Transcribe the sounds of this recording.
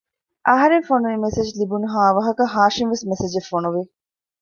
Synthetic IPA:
ʔɐɦɐɾeŋfonuʋimesed͡ʒlibunɐɦaːʋɐɦɐkɐɦaːʂinʋesmesed͡ʒefːonuʋi

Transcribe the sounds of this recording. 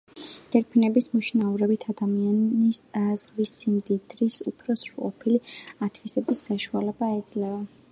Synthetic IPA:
d̪̥ɛɾpʰinɛbismuʃnauɾɛbit̪ʰad̪amianizʁvisimd̪id̪ɾisupʰɾɔsɾuqʼɔ̰pʰiliat̪ʰvisɛbisːaʃualɛbaɛd̪zlɛva

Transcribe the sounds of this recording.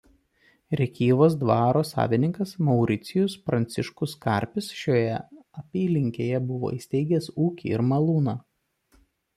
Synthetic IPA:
ɾʲɛkʲiːʋoːsd̪ʋɑːɾoːsɑ̰ːʋʲɪnʲɪŋkɐsmɔʊɾʲɪt̪sʲɪjʊspɾɐnʲt̪sʲɪʃkʊskɐ̰ˑɾʲpʲɪsʃʲoːjɛɐpʲiːlʲɪŋʲkʲeːjɛbʊʋo̰ːiːsʲt̪ʲɛɪɡʲɛsuːkʲḭːɪɾmɐlˠuːnɑː

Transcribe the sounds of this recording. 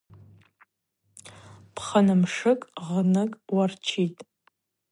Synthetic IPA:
pʰχanɨmʂɨkʼʁnɨkʼwart͡ʃʰitʼ

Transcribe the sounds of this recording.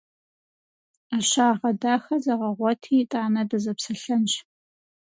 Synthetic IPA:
aɕaːʁɐdaːxɐzɐʁɐʁʷɔtʰiːtʼaːnɐdɐzɐpsɐɬɐnɕ

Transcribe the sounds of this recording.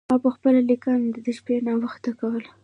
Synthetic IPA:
mɑpəxpəlalikɑnd̪əd̪əʃpenɑwəxt̪akawəl

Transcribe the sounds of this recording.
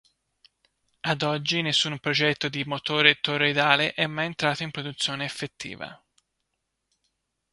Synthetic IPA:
ad̪ɔd͡ʒːinesːumpɾod͡ʒɛt̪ːod̪imot̪oːɾet̪oɾed̪aːleʔɛmːajent̪ɾaːt̪oimpɾod̪ut̪sːjoːneːfːet̪ʰːḭːva̰

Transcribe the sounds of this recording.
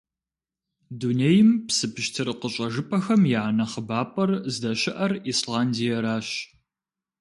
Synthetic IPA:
duneːjɪmpsɨpʰɨʃtʰɨɾɨqəɕʼɐʒɨpʰʼɐxɐmjaːnɐχəbaːpʼɐrzdɐɕɪʔɐrislaːndijɐɾaːɕ

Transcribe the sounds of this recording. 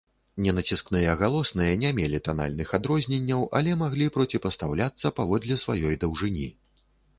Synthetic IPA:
nʲɛnɐt͡sʲisknɨjɐɣalˠɔsnɨjɐnʲamʲɛlʲit̪ana̰lʲnɨxad̪ɾɔzʲnʲɛnʲːɐwʔɐ̰lʲɛmaɣlʲipɾɔt͡sʲipɐst̪awlʲat̪sːɐpavɔd̪lʲisvajɔjd̪ɐwʐɨnʲḭ

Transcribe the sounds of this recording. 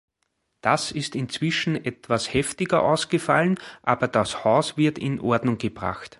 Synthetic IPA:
d̥asɪstɪnt͡sv̥ɪʃn̩ɛtv̥ashɛftɪɡɐʔa̰ʊsɡ̥əfalənʔaːbɐd̥ashaʊsv̥ɪɐtɪ̰nʔɔɐdnʊŋɡ̥əb̥ʁa̰xt

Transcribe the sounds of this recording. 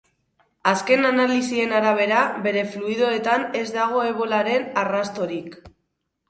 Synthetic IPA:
aske̞nanalisie̞naɾaβ̞e̞ɾaβe̞ɾe̞fluiðo̞et̪ane̞zd̪aɣ̞o̞e̞β̞o̞laɾe̞narast̪o̞ɾik

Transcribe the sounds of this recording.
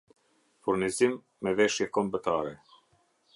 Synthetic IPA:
fuɾnizimː | ɛvɛʃjɛkɔmbət̪aɾɛ

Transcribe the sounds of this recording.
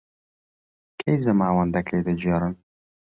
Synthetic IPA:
kʰejzɐmaːwɐnd̪ɐkʰɐjd̪ɐd͡ʒɛɾɨn

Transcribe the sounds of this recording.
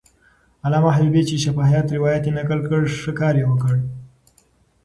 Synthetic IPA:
alɑmahbubet͡ʃeʃafɑhijɑt̪ɾɪwɑjat̪jenakəlkəɽʂəkɑɾjewəkəɽ

